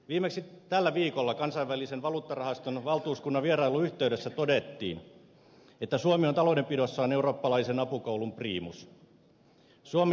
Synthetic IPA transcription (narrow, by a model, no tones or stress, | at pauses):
ʋiːmeksit̪ælːæʋiːkolːɑkɑnsɑiʋʋælisenʋɑluːt̪ːɑrɑhɑst̪onʋɑlˠt̪uːskunːɑʋʋierɑilːuyht̪eydesːæt̪odet̪ːḭːn | et̪ːæsuomiont̪ɑlodempidosːɑːneuroːpːɑlɑisenɑpukoulumpriːmus | suom